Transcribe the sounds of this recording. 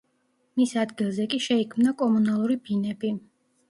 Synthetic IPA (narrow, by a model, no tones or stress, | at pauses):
misad̪ɡilˠzɛkʼiʃɛikʰmnakʼɔmunalˠuɾibinɛbi